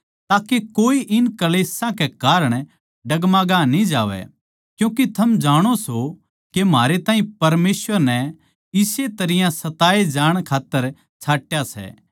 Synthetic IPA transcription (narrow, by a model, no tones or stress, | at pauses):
t̪aːkekoːiʔɪnkɐleːsãkekaːɾəɽ̃ | ɖɐɡmãːɡanĩd͡ʒa̰ːʋɛ̰ | kjũːkit̪ʰɐmd͡ʒaːɽ̃oso | kem̤aːɾet̪ãːɦĩpɐɾmeːsʋəɾnɛ | ɪset̪ɐɾɪjãsɐt̪aːed͡ʒaːɽ̃kʰaːt̪ːəɾ | t͡ʃʰaːʈjasɛ̰ː